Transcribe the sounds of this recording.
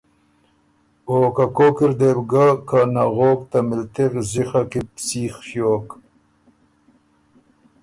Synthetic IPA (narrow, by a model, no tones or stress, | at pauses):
oːkakokiɾd̪ebɡakanaɣoːk̚t̪amɪlt̪iɣzixakipsiːxfjoːk